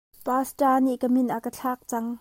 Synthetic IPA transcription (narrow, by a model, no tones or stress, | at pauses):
paːsʈaːniʔkəmɪnʔakət͡ɬʰaːk̚t͡sɐŋ